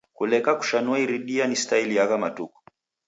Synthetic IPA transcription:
kulɛkaku̥ʃanuaiɾiɗianistailijakamatukɔ̥

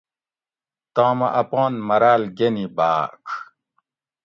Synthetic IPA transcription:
t̪aːmɐ̰ʔɐpɔ̃ːnmɐɾaːlɡenibaːkʰ

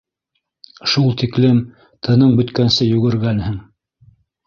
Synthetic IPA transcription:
ʃulˠt̪iklɘm | t̪ʰɤ̆nɤɴbɵ̆t̪kænsɘjʉɡɘ̆ɾɡænhɘŋ

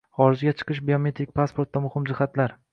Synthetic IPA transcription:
χɒɾɪd͡ʒɡʲat͡ʃʰɨ̥qɨʃ̬biome̞t̪ɾɪk̚ʲpʰaspʰo̞ɾt̪d̪amʊhɪmd͡ʒɪhat̪laɾ

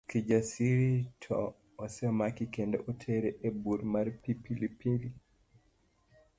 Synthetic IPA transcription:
kid͡ʒasiɾitʰɔ̰ː | sɛɔmakikendɔ̰ʔotʰeɾeʔebuɾmarpipilipili

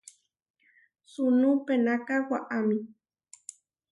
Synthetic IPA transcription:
sunupenakawaʔami

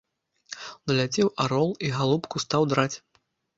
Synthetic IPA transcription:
nɐlʲat͡sʲɛwʔaɾɔlˠiɣalˠupkust̪awd̪ɾat͡sʲ

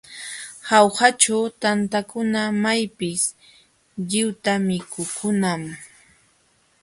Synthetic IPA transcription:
hawhat͡ʃawt̪ant̪akʊnamajpɪs | ʎɪwt̪amɪkʊkʰʊnam

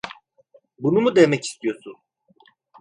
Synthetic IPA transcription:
bunumud̪emɛci̥st̪ʰijo̞sun

